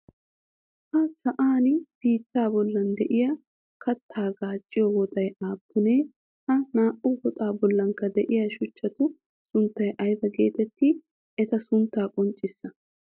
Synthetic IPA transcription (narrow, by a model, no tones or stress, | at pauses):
hɐsɐʔaːnɪb̥iːt̪ːaːbɔlːɐnd̪ɛʔɪjaː | kɐt̪ʰːaːɡaːt͡ʃʼːɪjɔwɔt̪ʼɐjaːpːʊneː | hɐnaːʔʊwɔt̪ʼaːbɔlːɐŋkɐd̪ɛʔɪjaʃʊt͡ʃːɐt̪ʊ | sʊnt̪ːɐjʔɐjbɐɡe̞̰ːt̪ɛt̪ːi | ɛt̪ɐsʊnt̪ːaːkʼɔnt͡ʃʼːɪsːɐ